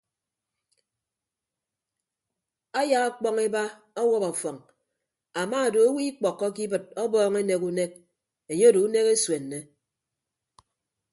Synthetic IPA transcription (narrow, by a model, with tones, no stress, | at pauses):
a˦ja˨a˦k͡pɔ˦ŋe˦ba˦ | ɔ˦wɔ˦pɔ˨fɔ˨ŋ | a˨ma˦˨do˨o˦wi˦k͡pɔ˨kːɔ˦k̬i˦bɨ˨t̚ɔ˦bɔː˦ŋe˦ne˨ku˦ne˦k̚ | e˨ɲe˦do˨u˦ne˦ke˦swe˨nːe˦